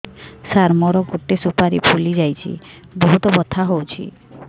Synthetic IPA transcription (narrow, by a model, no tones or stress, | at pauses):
saɾmɔɾɔkoʈːesupaɾḭpʰulid͡ʒajt͡ʃʰḭ | bɔɦut̪ɔbɔt̪ʰaɦowt͡ʃʰḭ